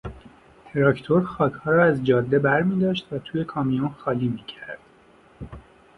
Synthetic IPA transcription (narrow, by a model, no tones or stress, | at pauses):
t̪ʰeɾɒːcʰt̪ʰo̞ɾxɒːcʰhɒːɾɒːæzd͡ʒɒːd̪ːe̞bæɾmiːd̪ɒːʃt̪væt̪ʰuːje̞kʰɒːmijonxɒːliːmiːcʰæɾd̪̥